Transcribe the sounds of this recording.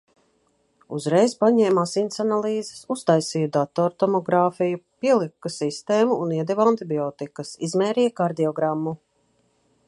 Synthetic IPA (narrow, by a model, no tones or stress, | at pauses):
uzɾɛjzpaɲɛːmasint̪sanalˠiːze̥sust̪ajsiːd̪at̪ɔɾt̪ɔmɔɡɾaːfijupiɛlˠikːɐsist̪eːmuuniɛd̪ɛvant̪ibiɔt̪ikɐsizmɛːɾiːjkaɾd̪iɔɡɾamːu